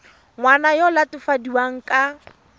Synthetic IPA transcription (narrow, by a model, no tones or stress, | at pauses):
ŋwanajɔlatʊfadiwaŋ̩kʼa